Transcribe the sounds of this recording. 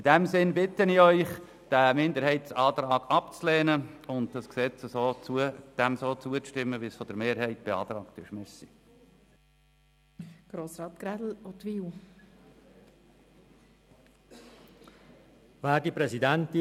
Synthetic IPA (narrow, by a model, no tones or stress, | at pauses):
id̥æmsɪnbɪt̪əniœʏχ | d̥æmɪnd̪əɾhɛɪtsɑːt̪ɾɑːɡ̥ɑpt͡slɛːnəʊnd̪̚d̥ɑsksɛt͡səsoːt͡suəd̥æmsoːt͡suət͡sʃtɪmːəʋisfɔd̥̪əɾmeːɾɦɛɪtb̥eɑ̰ːt̪ɾɑːktyʃmɛsi | ɡ̥ɾoːsɾɑːt̪ɡ̥ɾædl̩ot̪ʋiːw | væːdipɾɛsidænt̪ɪ